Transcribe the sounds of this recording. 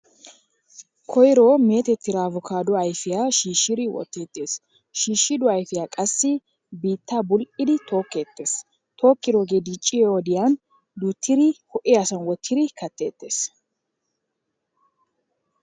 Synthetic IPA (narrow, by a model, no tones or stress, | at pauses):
kʰɔjɾoːme̞ːt̪ɛt̪ːɪɾaːvʊkʰaːd̪ʊɐjfɪjaʃiːʃːɪɾɪwɔ̰t̪ːe̞ːt̪ʼːe̞ːs | ʃiːʃːɪd̪ʊɐjfɪjaːkʼɐsːɪ | biːt̪ːabʊlʔɪd̪ɪt̪ʰo̞ːkːe̞ːt̪ːe̞ːs | t̪ʰo̞ːkːɪɾoːɡed̪it͡ʃʼːɪoːd̪ɪjan | d̪ut̪ʰːɪɾɪhɔʔɪɐsɐnwɔt̪ʰːɪɾɪkɐt̪ːe̞̰ːt̪ʼːe̞̰ːs